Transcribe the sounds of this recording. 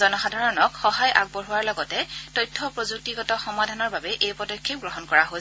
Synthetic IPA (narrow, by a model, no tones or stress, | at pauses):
ɔnɔxadʱaɹɔnɔkxɔɦajʔa̰ɡ̚boɹɦuwaɹlɔɡɔtɛtɔjtʰːɔpɹozuk̚tiɡɔtɔxɔmadʱanɔɹbabɛʔejpɔdɔkʰːek̚ɡɹɔɦɔnkɔɹaɦo